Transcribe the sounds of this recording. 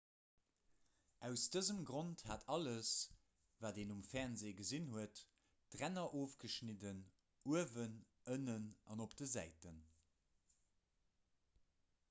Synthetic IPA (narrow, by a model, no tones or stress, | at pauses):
æʊsd̥əzəmɡʁonthaːtʰɑləs | vaːdeːnumfæʁnzeːɡəzinhuətː | ʁænɐʔoːfɡ̥əʃnidən | uəvən | ənənɑnopd̥əzæɪtən